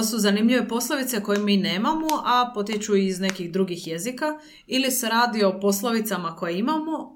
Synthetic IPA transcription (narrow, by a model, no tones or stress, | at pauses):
osuzanimʎiʋe̞po̞slˠoʋit̪se̞ko̞jemiːne̞ːmamoʔapo̞t̪jet͡ʃuiːzne̞kiɣd̪ɾuɡixjezika | ilise̞ɾaːd̪io̞po̞slˠoʋit̪samako̞jeimamo̞